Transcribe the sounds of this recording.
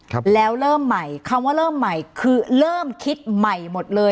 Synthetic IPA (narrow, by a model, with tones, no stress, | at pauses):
lɛː˦˥wɾɤː˥˩mːa˨˩jkʰa˧mwaː˥˩ɾɤː˥˩mːa˨˩jkʰɯː˧ɾɤː˥˩mkʰi˦˥t̪̚ma˨˩jmo˨˩t̪̚lɤː˧